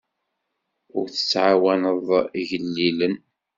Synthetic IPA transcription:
ʊɾθə̥t͡sːʕawænəðˤʝəlːilən

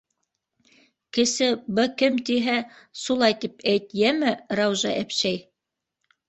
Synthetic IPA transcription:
kɘ̆sɘbɘkɘmt̪iɦæsulˠɑjt̪ipʰæjt̪jæmɘɾɑwʒɑ̰ʔæpʃæj

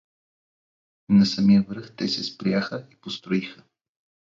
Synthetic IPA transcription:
nɐsɐmijəvɾəxt̪ɛsɛspɾjaxəipost̪ɾoixə

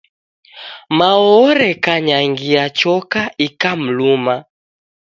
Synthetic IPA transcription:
maɔɾɛkaɲaŋɡiat͡ʃɔkaikam̩luma

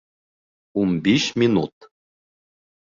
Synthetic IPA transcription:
umbiɕmʲinut̪

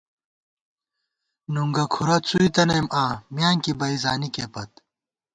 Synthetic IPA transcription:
nuŋɡɐkʰuɾɐt͡sʰuit̪ɐnɐjmaːmjaːŋkibɐizaːnikeːpɐt̪̚

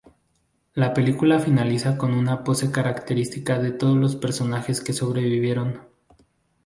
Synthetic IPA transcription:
lape̞likulafinalisako̞nunapo̞se̞kaɾakt̪e̞ɾist̪ikaðe̞t̪o̞ð̞ozlo̞spe̞ɾso̞naxe̞ske̞so̞βɾe̞βiβje̞ɾo̞n

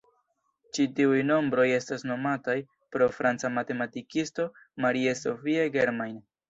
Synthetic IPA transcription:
t͡ʃitiujno̞mbɾo̞je̞stasno̞mataj | pɾo̞fɾant͡samate̞matikisto̞ | maɾieso̞fie̞ɡeɾmajn

